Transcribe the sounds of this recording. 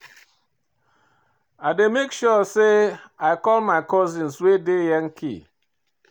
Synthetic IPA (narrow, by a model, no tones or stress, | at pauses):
aɪdemekʃɔseaɪkɔlmaɪkɔzĩnswedejɛŋ̩kʰḭ